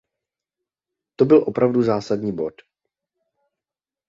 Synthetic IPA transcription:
t̪obɪlʔo̞pɾavduzaːsadɲiːbo̞t

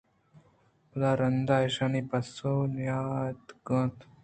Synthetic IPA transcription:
laɾɐnd̪aːiʃaːnipɐsonjaːt̪ɡə̃t̪

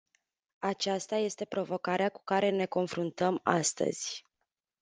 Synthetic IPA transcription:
at͡ʃast̪aje̞st̪e̞pɾo̞vo̞kaɾeaku̥kaɾe̞ne̞ko̞nfɾunt̪əmast̪ə̰z̥ʲ

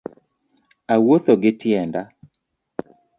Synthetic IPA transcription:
awot̪oɡɪtjɛnda

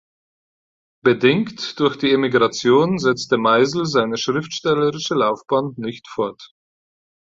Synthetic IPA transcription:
b̥ədɪŋktd̥ʊɐçd̥iːemiɡʁat͡sjoːnzɛt͡stəmaɪzl̩zaɪnəʃʁ̥ɪftʃtɛləʁɪʃəlaʊfb̥aːnnɪçtfɔɐt

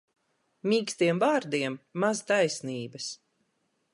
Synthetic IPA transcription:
miːkst̪iɛmvaːɾd̪iɛmːazt̪ajsniːbɐs

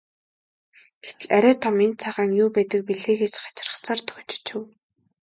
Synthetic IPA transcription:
ɡ̥et̪ɘ̆ɮæɾʲæːt̪ʰɔment͡sʰaʁaːŋjuːpæːt̪ə̆k̚piɮeːɡet͡ɕɢḁt͡ɕɪ̆rə̥̆χt͡sʰaːrt̪ʰɵ̥xt͡ɕ̪ɪ̥̆t͡ɕʰʊ̆w

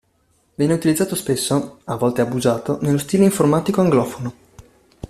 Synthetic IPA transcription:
vjɛːneut̪ilid̪zːaːt̪ospesːoavːɔlt̪eabuzaːt̪onelːost̪iːleiɱformaːt̪ikoaŋɡlɔːfono

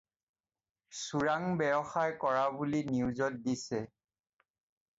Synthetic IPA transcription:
suɹaŋbɛɹɔxajkɔɹabuliniuzɔt̚disɛ

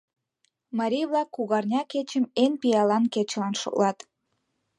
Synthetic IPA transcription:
mɑɾʲijβlˠɑkːuɣɑrnʲɑket͡ɕəmenpijɑlɑnket͡ɕlɑnʃo̰ʔlɑt̪

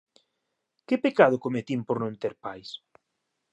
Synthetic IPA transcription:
kɪpekað̞ʊkomet̪impoɾnõnt̪eɾpajs

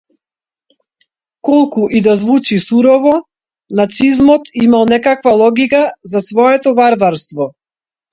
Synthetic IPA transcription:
kɔlˠkuʔid̪azvut͡ʃisuɾɔvɔ | nat̪sizmɔt̪imalˠnɛkakvalˠɔɡikazasvɔɛt̪ɔvaɾvaɾst̪vɔ

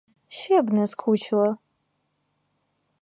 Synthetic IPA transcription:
ʃebnɐzkʰut͡ʃʰlɐ

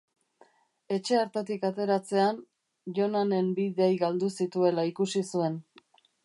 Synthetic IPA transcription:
e̞t͡ʃe̞aɾt̪et̪ikat̪e̞ɾat͡se̞an | ʝo̞nane̞mbiðejɣald̪usit̪ue̞laikusisue̞n

